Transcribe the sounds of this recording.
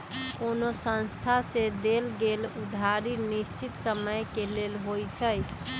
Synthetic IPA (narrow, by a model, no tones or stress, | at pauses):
konosə̃nst̪ʰased̪elɡelud̪ʱaɾinist͡ʃit̪səməjkelelɦojt͡ʃʰəj